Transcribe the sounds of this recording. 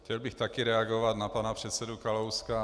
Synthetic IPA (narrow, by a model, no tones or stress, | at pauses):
cɛlbɪxt̪akɪɾɛaɡovad̪napanapr̥ɛt̪sɛdukalowska